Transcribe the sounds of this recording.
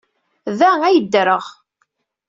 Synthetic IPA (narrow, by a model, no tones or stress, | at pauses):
ðææjəd̪ːɾəʁ